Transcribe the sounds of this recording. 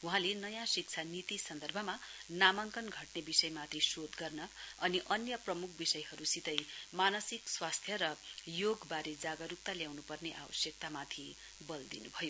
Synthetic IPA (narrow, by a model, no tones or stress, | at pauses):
uɦãlenʌjãsik̚t͡sʰanit̪isʌnd̪ʌrbʱʌmanamaŋkʌnɡʱʌʈnebisʌjmat̪ʰisod̪ɡʌrnʌʌniʔʌnjʌprʌmukʰbisʌjɦʌɾusit̪ʌjmanʌsikswast̪ʰjʌɾʌjoɡbaɾed͡zaɡʌɾup̚t̪aljawnupʌrneʔa̰bʌ̰sjʌk̚t̪amat̪ʰi | bʌld̪inubʱʌjo